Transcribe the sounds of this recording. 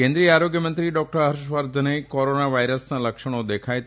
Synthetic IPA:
ẽnd̪ɾijəaɾoɡjəmə̃nt̪ɾiɖɔk̚ʈəɾɦəɾʃʋəɾd̪ʱənekoɾonaʋajɾəsnãləkʃəɽ̃od̪ekʰaj̪

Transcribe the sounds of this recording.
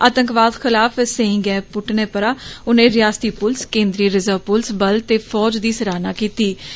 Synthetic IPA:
aːt̪əŋkʋaːd̪xɪlaːfsẽɪ̃ŋɡɛːpʊʈneːpəɾaːʊnẽːɾɪjaːst̪iːpʊlskẽːnd̪ɾiːɾɪzəːpʊlsbəlt̪eːfʰɔːd͡ʒd̪iːsəɾaːnaːkiːt̪iː

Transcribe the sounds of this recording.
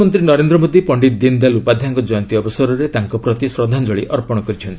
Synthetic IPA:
mɔnt̪ɾinɔɾend̪ɾɔmod̪ipɔɳɖit̪̚d̪ind̪alupad̪ʱjaŋkɔd͡ʒɔjɔnt̪iɔbɔsɔɾɔɾet̪aŋkɔpɾɔt̪isɾɔd̪ʱand͡ʒɔɭiʔɔɾpɔɽ̃ɔkɔɾit͡ʃʰɔnt̪ii̥

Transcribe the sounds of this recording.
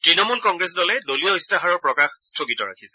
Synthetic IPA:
tɹinɔmulkɔŋɡɹɛsdɔlɛdoliɔistaɦaɹɔɹpɹɔkaxstʰoɡitɔɹa̰kʰisɛ̥

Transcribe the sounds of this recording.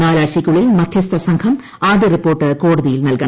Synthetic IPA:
naːlaːɾɕikʲːuɭːilmɐd̪ʱjɐst̪ʰɐsɐŋkʰɐm | aːd̪jɐripːoːrʈːɨko̞ːɽɐðijilnɐlkɐɳɐ

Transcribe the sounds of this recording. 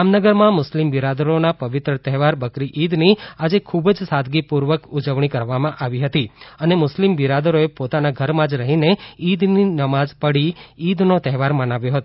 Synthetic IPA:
amnəɡəɾmãmʊslimbiɾad̪əɾonapəʋɪt̪ɾət̪ɛɦʋaɾbəkɾiʔid̪niad͡ʒekʰubd͡ʒsad̪ʱɡipuɾʋəkud͡ʒəʋɳikəɾʋamãʔaʋiɦət̪iənemʊslimbiɾad̪əɾoepot̪anaɡʱəɾmãd͡ʒɾəɦineid̪ninəmad͡ʒpəɽiːd̪not̪ɛɦʋaɾmənaʋjoɦət̪o

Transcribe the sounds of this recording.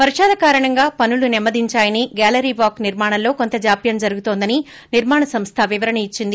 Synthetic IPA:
pɐɾiʃaːlɐkaːɾɐɳɐŋɡaːpɐnulunɛmːɐd̪ʱiɲt͡ʃaːjɐniɡaːlɐɾiʋaːkniɾmaːɳɐllo̞ːko̞nt̪ɐd͡ʒaːpjɐmd͡ʒɐɾuɡut̪oːnd̪ɐni | niɾmaːɳɐsɐmst̪ʰɐʋiʋɐɾɐɳɐit͡ʃːind̪i

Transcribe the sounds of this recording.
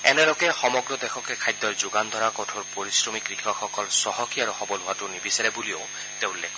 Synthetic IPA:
ɛ̰nɛlɔɡɛxɔmɔɡɹɔd̪ɛxʰɔkɛkʰajd̪ɔɹzʊɡand̪ʱɔɹakɔtʰɔɹpoɹisɹɔmikɹixʰɔxʰɔkɔlsɔɦɔkiaɹuxɔbɔlʊatʊnibisɛɹɛbulio | teʊ̃lɛkʰɔ

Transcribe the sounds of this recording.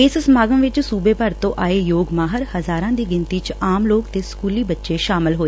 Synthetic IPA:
ɪssmaːɡəmʋɪt͡ʃsuːbeːpəɾt̪õːʔaːeːjoːɡmaːɦəɾhəzaːɾãːd̪iːɡɪnt̪iːt͡ʃaːmloːkt̪eːskuːliːbətːʃeːʃaːmɪlɦoːe

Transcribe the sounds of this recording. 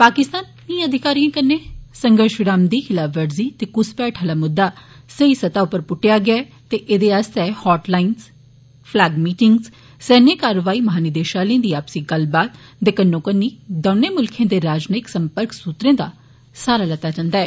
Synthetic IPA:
paːkɪst̪aːnː | ĩːəd̪ʱɪkaːɾijãːkənːeːsəŋɡəɾʃɪɾaːmd̪iːkʰɪlaːʋəɾziːt̪eːkʊspɛːʈʰɦəlaːmʊd̪ːaː | səisət̪aːʊpːəɾpʊʈːɪjaːɡɪaː | t̪eːʔed̪eːast̪ɛːhɔːʈlaːɪns | pʰlaːɡmiːʈɪŋɡz | sɛːnẽːkaːɾəʋaːiːməɦaːnɪd̪eːʃaːlẽːd̪iːaːpsiːɡəlbaːt̪d̪ekənːõːkənːiːd̪oːneːmʊlkʰẽːd̪eːɾaːd͡ʒnəɪksəmpəɾksuːt̪ɾẽːd̪a̰ː | saːɾaːlət̪ːaːd͡ʒãːnd̪aːɛː

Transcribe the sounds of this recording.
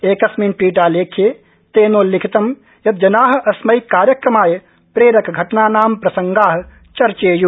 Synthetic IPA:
eːkɐsminʈwiːʈaːleːkʰeː | t̪eːnoːlɪkʰit̪ɐm | jɐd̪̚d͡ʒɐnaːɦɐsmɐikaːɾjɐkɾɐmaːj | pɾeːɾɐkɡʱɐʈnaːnaːmpɾɐsɐŋɡaːɦ | t͡ʃɐɾt͡ʃeːju

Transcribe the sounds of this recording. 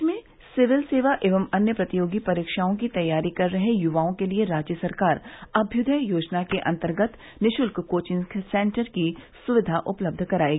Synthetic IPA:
ɪsmẽ | sɪʋɪlseːʋaʔeːʋəmɐnjəpɾɐt̪ijoːɡipɐɾiːkʃaːõkit̪ɐjːaːɾikɐɾːɐɦejʊʋaːõkelieɾaːd͡ʒjəsɐɾkaːɾɐbʱjʊd̪ʱəjoːd͡ʒnakeʔɐ̰̃nt̪əɾɡət̪ | nɪʃʊlkkoːt͡ʃɪ̃ŋksɛ̃ːɳʈəɾkisʊʋɪd̪ʱaʔʊpləb̚d̪ʱkɐɾaːeːɡiː

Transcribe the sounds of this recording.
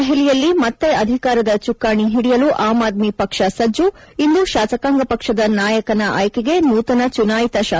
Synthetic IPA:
ɦɛlijɐlːimɐt̪ːe̞ɐd̪ʱikaːɾɐd̪ɐt͡ʃukːaːɳiɦiɽijɐluʔaːmaːd̪̚mipɐkʂɐsɐd͡ʒu | ind̪uʃaːsɐkaːŋɡɐpɐkʂɐd̪ɐnaːjɐkɐnɐʔa̰ːjkeɡe̞nuːt̪ɐnɐt͡ʃunaːjit̪ɐʃaː

